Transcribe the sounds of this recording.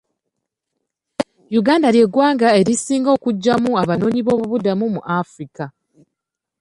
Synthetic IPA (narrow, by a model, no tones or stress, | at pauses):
juɡaːndaɾje̞ɡwaːŋɡae̞ɾisiːŋɡo̞ːkuɟːamuaβano̞ːɲiβo̞ːβuβudamumuʔafɾika